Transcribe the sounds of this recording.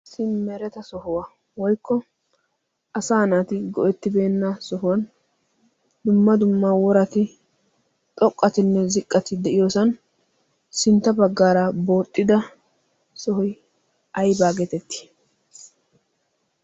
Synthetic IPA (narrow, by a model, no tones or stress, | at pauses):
sɪnmɛɾɛt̪ɐsɔɦʊwɐ | wɔjkːɔ | ʔɐsaːnaːt̪ɪɡɔʔɛt̪ːɪbe̞ːnːɐsɔɦʊwɐn | d̪ʊmːɐd̪ʊmːawɔɾɐt̪ɪ | t̪ʼɔkʼːɐt̪ɪnːɛzɪkʼːɐt̪ɪd̪ɛʔɪjoːsɐn | sɪnt̪ːɐbɐɡːaːɾɐbo̞ːt̪ʼːɪd̪ɐ | sɔɦɔj | ʔɐjbaːɡɛt̪ɛt̪ːɪ̥